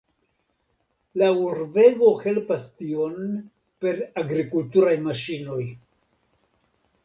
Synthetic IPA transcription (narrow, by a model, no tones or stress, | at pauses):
lauɾve̞ɡo̞he̞lpastio̞n | pe̞ɾaɡɾikultuɾajmaʃino̞j